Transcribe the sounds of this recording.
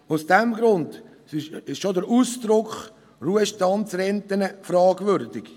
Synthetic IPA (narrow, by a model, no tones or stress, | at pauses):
ʊsd̥ɛmɡɾʊnd | ɪɪʃʃodəɾuːsd̥ɾʊkχ | ruəʃtɑntsrɛnt̪ənəfɾɑːɡvʏɾdɪɡ